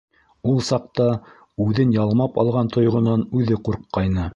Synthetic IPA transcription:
ulˠsɑq̚t̪ɑ | ʉðɘnjɑlˠmɑpɑ̰lˠʁɑnt̪ʰŏjʁŏnɑnʉðɘquɾqːɑjnɤ

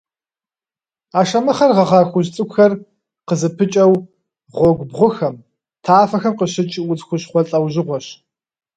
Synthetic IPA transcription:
aːʃɐmɨχɐrʁɐʁɑːxʷʊʑt͡sʼɨkʷxɐr | qəzɨpʰɨt͡ʃʼɐw | ʁʷɔɡʷbʁʷʊxɐm | tʰaːfɐxɐmqəɕɪt͡ʃʼʊt͡sxʷʊɕχʷɔɬʼɐwʑɪʁʷɔɕ

